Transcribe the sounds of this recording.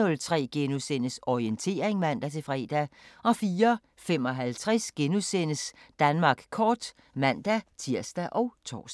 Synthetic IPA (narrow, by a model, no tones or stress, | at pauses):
ɔlt͡sʰʁɛ̰ːɡ̥enusenəsɒient͡sʰe̝̰ːɐe̝ŋmæn̰d̥æt͡sʰe̝fʁɛ̰ːd̥æʔɒ̽fiːɐ | fem̰ɒ̽ɦælt͡sʰʁɛsɡ̥enusenəsd̥ænmɑ̈ːɡ̥kʰɒːd̥ | mæn̰d̥æt͡sʰiɐ̰sd̥æʔɒ̽ʊt͡sʰɒ̰ːs